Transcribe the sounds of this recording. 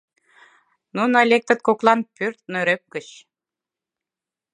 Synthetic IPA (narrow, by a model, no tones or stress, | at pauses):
nunolʲek̚t̪ə̆t̪̚koklˠɑnpyrt̪̚nøɾøp̚kə̆ɕ